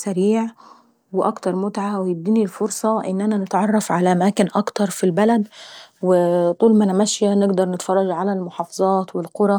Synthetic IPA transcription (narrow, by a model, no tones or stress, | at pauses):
sæɾiːʕ | wɪʔɑkt̪ɑɾˤmʊt̪ʕawɪjɪb̚d̪iːnilfoɾsˤɑʔɪnːʔænænɪt̪ʕɑrˤːɑfʕalæʔæmæːkɪnʔɑkt̪ɑɾˤfilbælæd̪wɪt̪ˤuːlmænamæʃjænɪɡd̪ɑɾˤnɪt̪fɑrˤːɑɡʕalælmʊħɑːfɑzˤɑːt̪wɪlqʊɾˤɑ